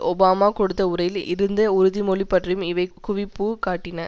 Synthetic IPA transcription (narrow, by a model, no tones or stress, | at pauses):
ɔbaːmaːkɔɽɯt̪ːɐʊɾɐjɪlɪ̰ɾɯnd̪ɐʊɾɯðimɔɭɪpːɐʈrɐjɯmɪʋɐɪkʊʋɪpːuːkaːʈːɪnɐ